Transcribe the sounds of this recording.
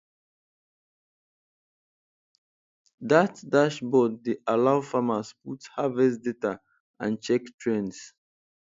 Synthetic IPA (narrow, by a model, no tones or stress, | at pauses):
datdaʃbɔddeʔalaʊfamasputhavɛsdeta | ã̰nt͡ʃɛktʰɹɛ̃ns